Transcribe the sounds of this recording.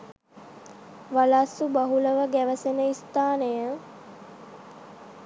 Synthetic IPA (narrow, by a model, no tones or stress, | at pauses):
ʋalasubaɦuləʋəɡæʋəsenəist̪aːnəjə